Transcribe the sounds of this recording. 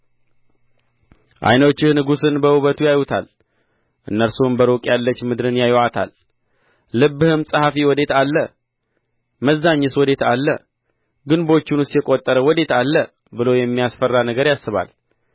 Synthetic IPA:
ʔa̰jnət͡ʃːɪhnɨɡusɨnbəhuβət̪ʰujajut̪ʰa̰l | ʔɨnːəɾsumbəɾokʼjalːət͡ʃːmɨd̪ɾɨnjajwʔat̪ʰa̰lː | ɨbːɨhɨmsʼəhafiwɔd̪e̞t̪alːə | məzːaɲːɛswɔd̪e̞t̪ʰalːə | ɡɨnbo̞t͡ʃːɪnustjɛkʼot̪ʼːəɾəwɔd̪e̞t̪alːə | bɨlowjɛmːijasfərːanəɡəɾjasːɨβa̰l

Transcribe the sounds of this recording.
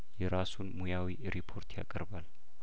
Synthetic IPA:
jɛɾasunmujawi | ɾipʰo̞ɾt̪ʰja̰kʼəɾbal

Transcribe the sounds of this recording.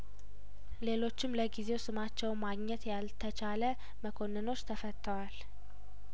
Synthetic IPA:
le̞lo̞t͡ʃːɪmləɡize̞wsɨmat͡ʃːɛwnmaɡɲɛt̪jalt̪ʰːət͡ʃʰalə | məkʰo̞nːɨno̞t͡ʃːt̪ʰəfət̪ʰːəwal

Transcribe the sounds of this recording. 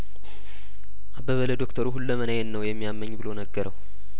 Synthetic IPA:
ʔabəβələd̪o̞kt̪ʰəɾuɦulːəmənəjɛnnəwjɛmːijamːəɲːbɨlo̞nəɡːəɾəw

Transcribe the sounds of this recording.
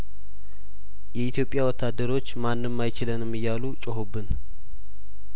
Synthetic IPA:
jɛit̪ʰjo̞pʼjawɔt̪ʰːad̪ːəɾo̞t͡ʃːmanːɨmːajt͡ʃɪlənɨmːɨjːalut͡ʃʼəɦobːɨn

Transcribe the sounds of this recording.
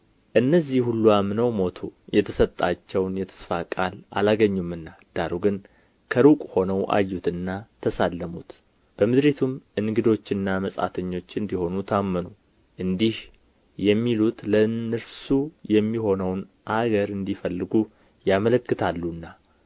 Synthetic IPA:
ʔɨnːəzːihhulːuamnəwmo̞t̪ʰujɛt̪ʰəsət̪ʼːat͡ʃːɛwnjɛt̪ʰə̥sfakʼala̰laɡəɲːumɨnːad̪̥aɾuɡɨn | kʰəɾukʼho̞nəwʔa̰jːut̪ɨnːat̪ʰəsalːəmut̪ | b̥əmɨd̪ɾet̪ʰumʔɨnɡɨd̪o̞t͡ʃːɨnːaməsʼa̰t̪ʰəɲːo̞t͡ʃːɨnd̪iho̞nut̪ʰamːənu | ʔɨnd̪ih | jɛmːilut̪lənɨɾsujɛmːiho̞nəwn | ʔaɡəɾɨnd̪ifəlːɨɡu | jamələkːɨt̪ʰalːunːa

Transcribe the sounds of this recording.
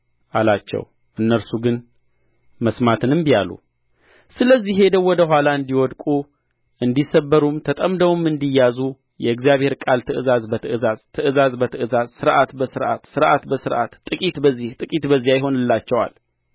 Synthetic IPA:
ʔalat͡ʃːɛ̰w | ʔɨnːəɾsuɡɨn | məsmat̪ʰɨnɨmbijalṵ | sɨləzːiɦe̞d̪əwːɔd̪əɦʷalaɨnd̪iwɔd̪kʼu | ʔɨnd̪isəbːəɾumt̪ʰət̪ʼəmd̪əwmɨnd̪ijːazu | jɛɨɡzijaβhe̞ɾkʼalt̪ʰɨʔɨzazbət̪ʰɨɨzazt̪ʰɨʔɨzazbət̪ʰɨʔɨzazsɨɾʔat̪bəsɨɾʔa̰t̪sɨɾʔat̪bəsɨɾʔa̰t̪ːʼɨkʼit̪bəzːiht̪ʼɨkʼit̪bəzːijajɪɦo̞nɨlːat͡ʃːɛwa̰l

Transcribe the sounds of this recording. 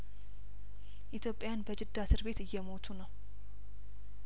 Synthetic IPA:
ʔit̪ʰjo̞pʼːjanbəd͡ʒɪd̪ːasɨɾbe̞t̪ɨjːɛmo̞t̪ʰunəw

